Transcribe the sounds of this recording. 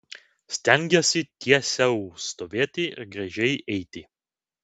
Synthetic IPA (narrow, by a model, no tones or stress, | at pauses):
sʲt̪ʲɛŋʲɡʲɛsʲɪt̪ʲʰiɛsʲɛust̪oːʋʲeːt̪ʲɪɪɾɡɾɐʒʲɛɪʔɛɪt̪ʲɪ